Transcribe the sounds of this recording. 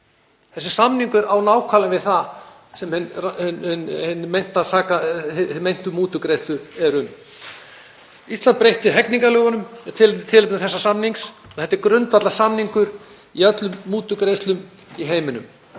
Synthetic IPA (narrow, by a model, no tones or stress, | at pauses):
θɛsːɪ̥samniŋkʏɾawnaːwkʰaːlavɪðθa | sɛmhɛnhnhnhnːmejn̥t̪asaːkamejn̥t̪ʏmuːt̪ʏkɾejst̪lʏɛɾʏm | ist̪ant̪pɾejht̪ɪɦɛkniŋkalʏːɣanʏmɛt̪ʰɪlɪnɪt̪ʰɪlɪp̪nɪθɛsːasamniŋksɔθɛt̪ːɪɾkɾʏnt̪vat̪lasamniŋkʏɾ̥ | iœt̪lʏmːuːt̪ʏkɾejst̪lʏm | iɦeːjmʏnʏ̰m